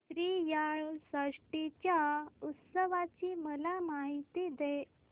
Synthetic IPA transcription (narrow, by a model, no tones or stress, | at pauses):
t̪ɾiːjaɭsəʂʈit͡ɕjaut̪səʋat͡ɕiːməlamaɦit̪id̪e